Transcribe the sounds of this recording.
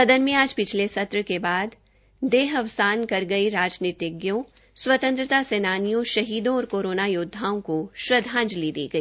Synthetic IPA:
sɐd̪ənmẽaːd͡ʒpɪt͡ʃʰlesɐt̪ɾəkebaːd̪ | d̪eːɦɐʋsaːnkɐɾɡɐiɾaːd͡ʒniːt̪ɪɡjõ | swɐt̪ə̃nt̪ɾət̪aseːnaːnijõʃɐɦiːd̪õɔːɾkoːɾoːnajʊd̪ʱːaːõkoʃɾɐd̪ʱãːnd͡ʒlid̪ḭːɡɐiː

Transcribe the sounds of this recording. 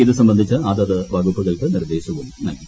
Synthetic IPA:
iðɨsɐmbɐnd̪ʱit͡ɕːɨad̪ɐðɨʋɐɡupːɐɣɐɭkɨniɾɐd̪eːɕɐɣuɳɨnɐŋɐ

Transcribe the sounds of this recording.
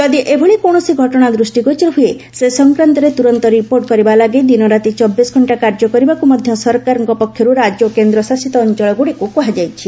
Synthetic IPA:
t̪ɔd̪iʔebʱɔɭikoɽ̃ɔsiɡʱɔʈɔɽ̃ad̪ɾusʈiɡot͡ʃiɾɔɦue | sesɔŋkɾant̪ɔɾet̪uɾɔnt̪ɔɾipoɾʈkɔɾibalaɡed̪inɔɾat̪it͡ʃɔbːisɡʱɔɳʈakaɾd͡ʒɔkɔɾibakumɔd̪ʱjɔsɔɾkaɾɔŋkɔpɔkʰjɔɾuɾad͡ʒokend̪ɾɔsasit̪ɔːnt͡ʃɔɭɔɡuɽikukɔɦad͡ʒajt͡ʃʰi

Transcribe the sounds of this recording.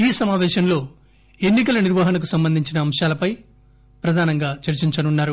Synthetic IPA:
iːsɐmaːʋɛːʃɐmlo̞ː | enːik̬ɐlɐniɾʋɐɦɐnɐk̬usɐmbɐnd̪ʱiɲt͡ʃinɐːmʂaːlɐpɐj | pɾɐd̪ʱaːnɐŋɡaːt͡ʃɐɾt͡ʃiɲt͡ʃɐnunːaːɾu

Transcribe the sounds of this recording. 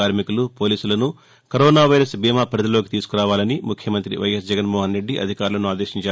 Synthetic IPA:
aːɾmikulupoːliːsulɐnu | kɐɾoːnaːʋɐjɾɐsbiːmaːpɐɾɐd̪ɐlo̞ːkit̪iːsu̥kuɾaːʋaːlɐnimukʰjɐmɐnt̪ɾḭʋɐ̰jɐsd͡ʒɛɡɐnmɔːɦɐnɾe̞ɖːiʔɐ̰d̪ʱikaːɾulɐnuaːd̪eːʃiɲt͡ʃaː

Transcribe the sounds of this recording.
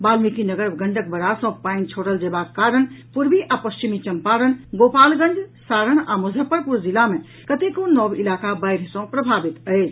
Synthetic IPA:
balmikinəɡəɾɡəɳɖək̚bəɾasə̃paint͡ʃʰoɽəld͡ʒebakkaɾəɳpuɾbiʔapəst͡ʃimit͡ʃəmpaɾənɡopalɡəɳɖsaɾəɳa̰mud͡ʒʱəpəɾpuɾd͡ʒilame | kət̪ekõnːɔbilakabaɪɾsə̃pɾəbʱabit̪əɪt͡ʃʰ

